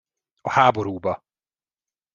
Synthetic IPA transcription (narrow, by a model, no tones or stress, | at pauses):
ɒhaːboɾuːbɒ